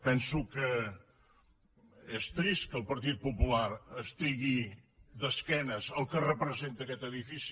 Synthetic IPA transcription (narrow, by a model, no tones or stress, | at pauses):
pɛ̃nsukɨ | ɛʃt̪ɾiʃkəwpɐɾt̪̬iðupupulaɾəʃt̪iɣiðɐskɛnɐzɐlˠkɨrəpɾəzẽnt̪ɐkɛt̪ɐðifis